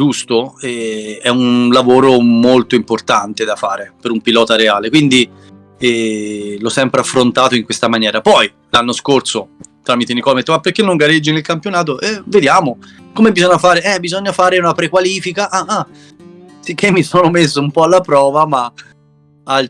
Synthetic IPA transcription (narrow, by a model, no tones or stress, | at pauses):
d͡ʒust̪oɛɛunlavoːɾomolt̪oimport̪ant̪ed̪afaːɾepeɾumpilɔːt̪aɾeaːlekwind̪i | ɛlɔsːɛmpɾeafɾont̪aːt̪oiŋkwest̪amanjɛːɾapɔj | lanːoskorsot̪ɾaːmit̪enikɔlmet̪ːmapːerk̟enːoŋɡaɾed͡ʒːinelkampjonaːt̪̬oʔɛved̪jaːmo | komebizɔɲːafaːɾeʔɛbizɔɲːafaːɾeunapɾekwaliːfikaʔaa | sikːemːisoːnomes̬ːoumpɔalːapɾɔːvama | al